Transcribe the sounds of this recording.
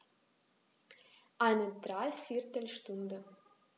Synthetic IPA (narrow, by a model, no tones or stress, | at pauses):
ʔaɪnədʁaɪfɪɐtəl̩ʃtʊndə